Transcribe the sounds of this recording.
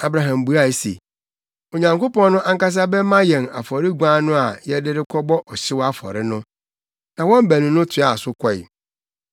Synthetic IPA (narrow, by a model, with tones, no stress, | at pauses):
a˨bɾa˨ɦã˨mbu˨˦a˦˨sḛ˨ | o˨ɲã˨ŋko˦pɔ̃˦nʊ̃˦ʔa˦ŋ˦ka˦s̬a˦bɛ˦mã˦jɛ̃˨na̰˨fɔ˨ɾɪ˦ɡʷã˦nʊ̃˦a˨jɛ˦dɪ˦ɾɪ˦kʰɔ˦bɔ˦ʔɔ˨ɕɪ˦wa˦fɔ̰˨ɾɪ˦nʊ̃˦ | nã˨wɔ̃˦m˦bæ˨nĩ˨nʊ̃˦tʰɪ˨˦a˨sʊ˦kʰɔ˦˨ɪ̰˨